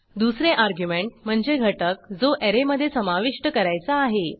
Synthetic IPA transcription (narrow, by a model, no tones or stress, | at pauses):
d̪usɾẽʔaɾɡjumeɳʈ̚m̤əɳd͡ʑeɡʱəʈək̚d͡zoʔeɾeməd̪ʱːjesəmaʋiʂʈəkəɾajt͡saːɦe